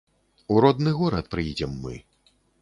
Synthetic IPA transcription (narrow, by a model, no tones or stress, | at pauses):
uɾɔd̪nɨɣɔɾɐt̪̚pɾɨjid͡zʲɛmːɨ̰